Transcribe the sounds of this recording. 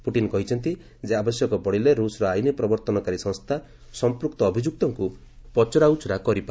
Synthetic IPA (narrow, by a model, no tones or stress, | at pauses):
puʈinɔkɔɦit͡ʃʰɔnt̪i | d͡ʒeabɔsjɔkɔpɔɽileɾusɔɾɔajnipɾɔbɔɾt̪ɔnɔkaɾisɔ̃ŋst̪ʰa | sɔmpɾuk̚t̪ɔːbʱid͡ʒuk̚t̪ɔŋku | pɔt͡ʃɔɾaut͡ʃɔɾakɔɾipa